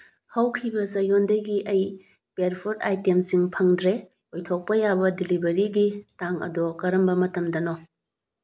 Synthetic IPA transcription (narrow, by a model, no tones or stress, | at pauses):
hɐwkʰibɐsɐjondɐjɡiʔɐj | peɾpʰoɾdajtemsiŋpʰɐŋdɾe | ojtʰok̚pɐjabɐdilibɐɾiɡitaŋɐ̰dokɐɾɐmbɐmɐtɐmdɐnɔ